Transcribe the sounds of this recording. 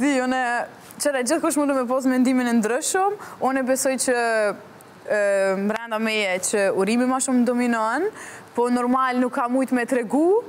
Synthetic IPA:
d̪iunɛ | t͡ʃɛɾɛd͡ʑəθkuʃ̬mud̪umɛpɔsmɛnd̪iminɛnd̪ɾəʃəmunɛbɛsɔjt͡ɕə | mɾɛnd̪amɛjɛt͡ʃəuɾimimaʃumd̪ɔminɔnpɔnɔɾmalnukʰːamujt̪mɛt̪ɾɛɡu

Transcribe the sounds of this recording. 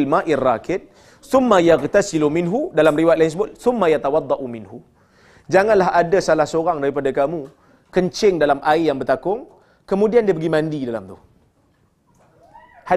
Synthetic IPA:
lmaʔirːakɪt̪̚ | θʊmːajaɣt̪asilumɪnɦudalamriwaʔ̪lansbʊlθʊmːajat̪awɑd̪ˤːɑʔumɪnɦu | d͡ʒaŋanlaɦadasalahsoɾaŋdaɾipadakamu | kəɲt͡ʃɪŋdalamʔaɪjaŋbərt̪akʊŋ | kəmudiandiəpəɡimãndidala̰mt̪uh | ha

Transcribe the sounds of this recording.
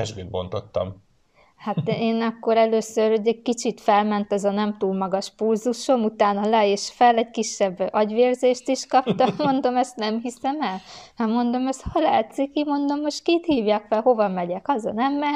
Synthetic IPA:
ɛʒbeːbo̞̰nt̪o̞t̪ːɒ̰m | hat̪eːnɒkːo̞ɾɛløːsøroɟɛɟ̚kit͡ʃit̪fɛlmɛnt̪ɒzɒnɛmt̪uːlmɒɡɒʃpulzuʃo̞mut̪aːnɒlɛeːʃfɛlɛɟkiʃːɛbɒɟʋeːrzeːʃt̪iʃkɒpt̪ɒmmo̞nd̪o̞mɛst̪nɛmɦisɛmɛlhɒmo̞nd̪o̞mɛst̪hɒlaːt̪sikimo̞nd̪o̞mːoʃt̪kiːt̪hiːvjaːkfɛlho̞vɒmɛɟɛkɒzɒ̰nɛmːɛ

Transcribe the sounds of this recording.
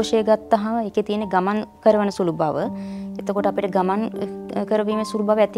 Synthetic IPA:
ʃeɡat̪ːɐɦɐeket̪ijənːeɡɐmankəɾəʋənəsulubʱaʋəet̪əkoʈəapiʈəɡɐmankəɾəʋiːmesuɾubʱaːʋəɛt̪

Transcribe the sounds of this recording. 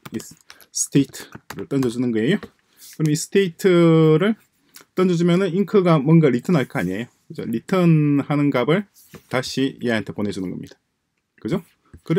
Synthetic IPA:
i | sɯ̥tʰeitʰɯ̥ɾɯɭt͈ʌnd͡ʑʌd͡ʑunɯnɡʌejo | kɯɾʌmis͈ʰɯ̥tʰeitʰɯɾɯɭ | t͈ʌnd͡ʑʌd͡ʑumjʌnɯniŋkʰɯɡamwʌnɡaɾitʰʌnɦaɭk͈ʌaɲiejokɯd͡ʑo̰ɾitʰɯnhanɯnɡabɯɭ | taɕʰieantʰe̞pone̞d͡ʑunɯnɡʌmɲid̥ḁ | kɯd͡ʑo | kɯɾ

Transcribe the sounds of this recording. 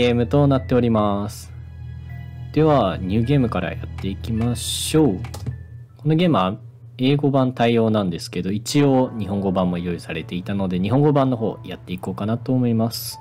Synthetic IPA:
e̞ːmɯ̟t̪o̞nat̪ːe̞o̞ɾʲimasɨ̥ | d̪̥e̞βaɲ̟ɨːɡʲe̞ːmɯ̟kaɾa̰ja̰t̪ːe̞ikʲimaɕo̞ː | ko̞no̞ɡe̞ːmɯ̟βa | e̞ːɡo̞bãnt̪aio̞ːnãnd̪e̞sɨ̥ke̞d̪o̞it͡ɕioːɲ̟iɦõ̞ŋɡo̞bãmːo̞jo̞isaɾe̞t̪e̞it̪ano̞d̪e̞ɲ̟iɦõ̞ŋɡo̞bãnːo̞ɦo̞̰ːjat̪ːe̞iko̞ːkanat̪o̞ːmo̞imasɨ̥

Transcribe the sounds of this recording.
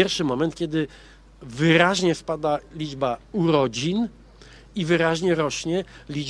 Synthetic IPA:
ɛɾfʂɘmɔmɛnt̪̚kʲɛd̪ɘ | vɘɾaʑɲɛspad̪alʲid͡ʐbauɾɔd͡ʑin | ivɘɾaʑɲɛɾɔɕɲɛlʲi

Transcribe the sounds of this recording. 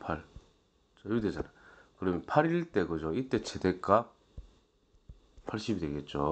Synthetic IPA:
pʰaɭ | t͡ɕajude̞d͡ʑa̰nakɯɾʌmjnpʰaɾiɭt͈e̞ɡod͡ʑoit͈e̞t͡ɕede̞k͈a | pʰaɭɕ͈ibidwe̞ɡe̞t̚t͡ɕ͈o

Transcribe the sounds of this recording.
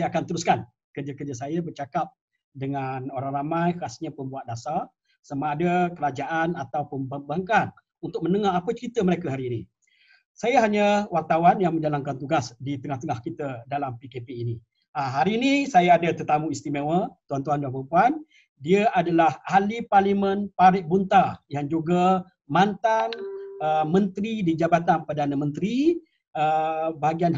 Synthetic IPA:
ajaakant̪əɾuskan | kərd͡ʒakərd͡ʒasajabərt͡ʃakap̚ | dəŋanoɾaŋramajkasɲapəmbuat̪̚dasar | samaːdakəɾad͡ʒaʔanat̪awpəmbabaŋkan | unt̪ʊk̚mənəŋaapət͡ʃəɾit̪əməɾekaɦaɾiːnḭ | sajaɦaɲəwart̪awanjaŋmə̃ɲd͡ʒalaŋkant̪uɡasdit̪əŋaht̪əŋahkit̪ədalampikepeːni | aɦaɾiːnisajaːdat̪ərt̪amũist̪imewət̪uant̪uanduanpɾəmpuan | diəʔadalahaliparlimənpaɾɪʔ̚bunt̪ajaŋd͡ʒuɡa | mant̪anəmənt̪ɾidid͡ʒabat̪anpərdanamənt̪ɾi | əbaɦaɡian

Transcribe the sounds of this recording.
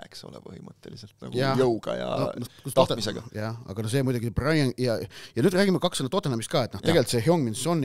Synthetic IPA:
ekso̞̰lɛ̰pɤɦimət̪ːeliselt̪nɑ̰ɡ̥juɑjɤwɡ̥ɑ̰jɑ̰nonokust̪ot̪miseɡɑ̰jɑɑ̰ɡ̥ɑnos̬emujd̪uɡiseprɑjɑŋjɑjɑnyːd̪ræːɡ̥ʲimɑkɑksenɑt̪ot̪enemist̪̚kɑːet̪noht̪eɡe̞lt̪seɦoŋminsonː

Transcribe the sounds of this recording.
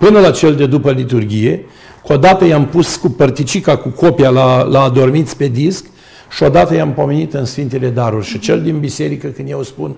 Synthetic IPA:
pɨnəlat͡ʃe̞ld̪e̞d̪upəlit̪urɡʲije̞ | ko̞d̪at̪əjampuskupərt̪it͡ʃikakuko̞pialalaːd̪o̞rmit̪sʲpe̞d̪isk | ʃio̞d̪at̪əjampo̞me̞nit̪ɨnsfint̪e̞le̞d̪aɾurʲʃit͡ʃe̞ld̪inbise̞ɾikəkɨnd̪jewspun

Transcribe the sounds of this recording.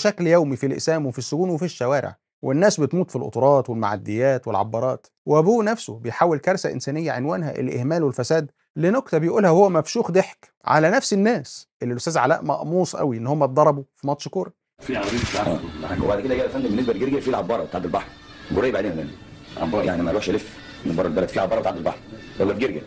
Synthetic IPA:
ʃækljæwmifilʔḛsæːmwefisːʊɡuːnwefiʃːæwæːɾḛʕ | wenːæːsbet̪muːt̪filʔo̰t̪ɾˤɑːt̪welma̰ʕa̰d̪ːejːæːt̪welʕɑ̰bːɑːɾˤɑːt̪ | weʔæbuːnæfsobejħaːwːelkɑɾˤsæʔḛnsæːnɪjːæʕenwæːnhæʔḛlʔḛhmæːlwelfæsæːd̪ | linokt̪ɑbejʔuːlhæhowːæmæfʃuːxd̪eħk | ʕa̰lænæfsenːæːsʔelːilʔʊst̪æːzʕa̰læ̰ːʔmɑ̰ʔmuːsˤʔæ̰wiʔenːhomːæd̪ˤɑɾˤɑbufimɑt̪ːˤʃkoːɾæ | fiʕiaʔæ̰ːwḛbaʕd̪ked̪æɡæːælfænd̪ebeneɡbɑɾɡeɾɡæfiːlʕɑbːɑːɾˤbet̪aʕb̪elbɑħɾɡoɾˤejːæbaʕd̪eːnælæn | ʕɑ̰bːɑɾˤjaʕnimælæʃʔælef | eneɡbɑɾˤelbɑɾˤɑːt̪filʕɑbːɑɾˤɑbet̪aʕb̪elbɑ̰ħɾ | eɡbɑɾɡeɾɡæ

